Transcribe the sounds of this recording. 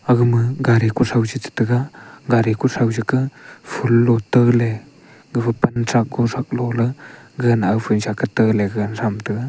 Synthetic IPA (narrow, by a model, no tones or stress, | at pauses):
aɡɯmɯɡaɾikusawzitʰɯ̥tɯɡaɡaɾikusawzikɯpʰulːɔtəle | ɡɯbɯpantʰak̚ɡɔsak̚lɔlɯɡɯnawpʰunsakʰɯtəleɡənsamtɯɡa